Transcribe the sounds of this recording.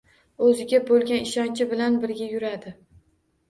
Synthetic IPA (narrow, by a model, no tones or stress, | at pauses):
ɵzɪɡʲabolˠɡʲanɪʃɒnt͡ʃʰɪbɪlanbɪɾɡʲajʊɾad̪ɪ